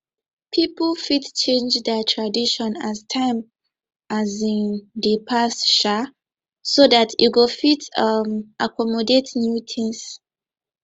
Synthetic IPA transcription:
pʰiplfitt͡ʃẽnd͡ʒdɛtʰɹadiʃɔ̃naztʰãɪ̃m | ʔazĩndəpʰasʃa | soðatʰjuɡofitʌmʔakʰɔmɔdetnjutʰĩŋs

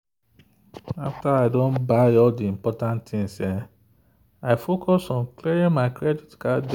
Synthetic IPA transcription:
aftaaɪdõnbaɔldiĩmpɔtãnttĩŋsɛ | aɪfokʰɔsɔ̃nklɛɹĩŋmaɪkɹɛditkad

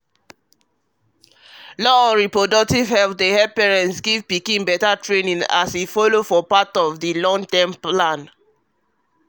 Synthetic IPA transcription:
lɔɔ̃nɹipɹodɔk̚tivhɛlp̚dehɛpɛɹɛ̃ntsɡivpikĩnbɛtatɹenĩŋa̰sifɔlofɔpatɔvdilɔ̃ŋtɛ̃mplãn

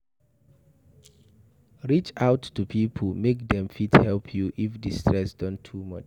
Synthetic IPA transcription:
ɹit͡ʃaʊtːupʰipʰəl̩mek̚dɛ̃mfithɛlpʰjuʔifdistʰɹɛsd̥ɔ̃ntʰumʌt͡ʃ

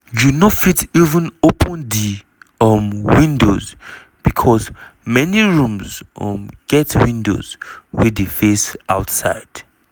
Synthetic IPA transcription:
junofitivə̃nopʰə̃ndi | ʌmwĩndoz | b̥ikʰɔsmɛniɹũmzʌ̰mɡ̥ɛtwĩndo̰zwidefesa̰ʊtsa̰ɪd̥

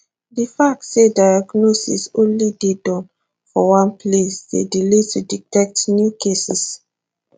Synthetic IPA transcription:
difak̚tsedajaɡnosḭsõnlidedɔ̃n | fɔwãnpʰlesdedilituditɛk̚tnjukʰesis

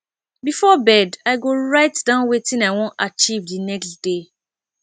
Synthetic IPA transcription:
bifɔbɛdaɪɡoɹaɪtdãʊ̃nwetĩnaɪwõntat͡ʃivdinɛkstd̥e

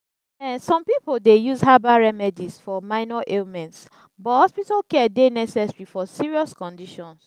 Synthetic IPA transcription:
ɛ̃sɔ̃mpipoldejuzɦabaɹɛmɛdizfɔmãɪnɔʔelmɛ̃nts | bɔhɔspitalkɛdenɛsɛsɹifɔsiɹiɔskɔ̃ndiʃɔ̃ns

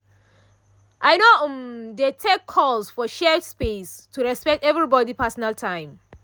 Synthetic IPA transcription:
ʔaɪjnoʔmdetʰekʰːɔlsfɔʃɛspestʰuɹɛspɛk̚tɛvɹibɔdipʰɜsɔnaltʰãɪ̃m

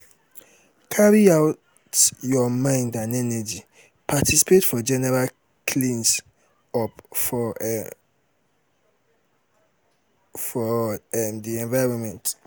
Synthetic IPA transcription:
kʰaɹiaʊ | tjɔmãɪ̃ndãnɛnɛd͡ʒi | pʰatʰisi̥pʰetfɔd͡ʒɛnɛɹal | kʰlĩns | ɔpfɔ | fɔɛmdiɛ̃nvaɪɹɔ̃nmɛ̃nt

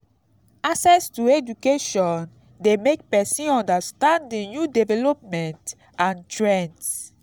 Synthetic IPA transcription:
asɛstued͡ʒukeʃɔ̃n | demek̚pɛsĩɔ̃ndastãndĩnjudɛvɛlɔpmɛ̃nt | ãntɹɛ̃nt

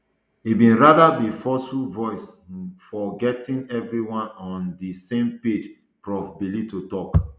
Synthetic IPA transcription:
ibĩnɹadabifɔsuvɔɪsfɔɡɛtĩnɛvɹiwãnɔ̃ndisẽmped͡ʒ | pɹɔbbilitutɔk

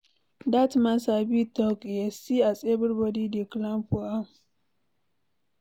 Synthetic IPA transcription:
datmasabitɔkjesiasʼebəɾbɔdidiklãmpua

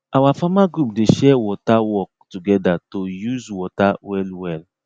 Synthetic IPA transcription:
awafamaɡɾup̚dɪʃɛwɔtawɔk̚tuɡɛdatojuzwɔtawɛlwɛl

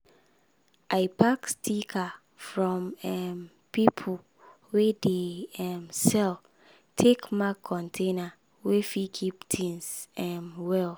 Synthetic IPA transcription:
ʔaɪpʰakstʰikʰa | fɹɔ̃mɛ | pipʰo | wedeɛmsɛl | tʰekmakʰːɔ̃ntʰẽna | wefikʰiptʰĩnsɛmwɛl

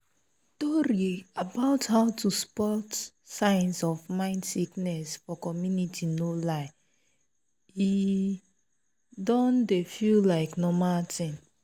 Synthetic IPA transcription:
tɔɾiabaʊthaʊtuspɔt | sãɪ̃nsɔfmãɪ̃ndsiknɛsfɔkɔmjunitʰinolaɪ | i | dɔ̃ndefillaɪknɔmaltʰĩŋ

